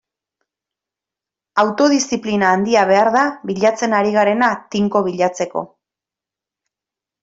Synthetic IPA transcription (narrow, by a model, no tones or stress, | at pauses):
awt̪o̞ðisiplinaːnd̪iaβ̞e̞aɾðaβiʎat͡se̞naɾiɣaɾe̞nat̪iŋko̞β̞iʎat͡se̞ko̞̰